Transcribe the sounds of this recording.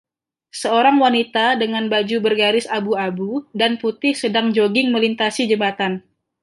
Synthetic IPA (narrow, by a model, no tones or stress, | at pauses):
səoɾaŋwanit̪adəŋanbad͡ʒubərɡaɾɪsabuabudanput̪ɪhsədaŋd͡ʒoɡɪŋməlint̪asid͡ʒəmbat̪an